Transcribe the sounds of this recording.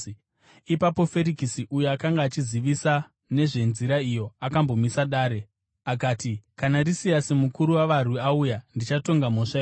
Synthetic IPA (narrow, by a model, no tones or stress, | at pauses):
ipapo̞fe̞ɾikisiʔujoakaŋɡaːt͡ʃiziʋisa | ne̞ʐe̞nziɾaijo̞akambo̞misaɗaːɾe̞ | akaːtikanarisijasemukuɾuwaʋarwuaujandit͡ʃato̞ŋɡam̤o̞ʂae